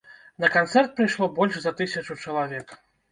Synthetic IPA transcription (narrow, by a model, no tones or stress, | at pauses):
nɐkant̪sɛrt̪̚pɾɨjʂlˠɔbɔlʲʂzɐt̪ɨsʲɐt͡ʂut͡ʂɐlˠavʲɛk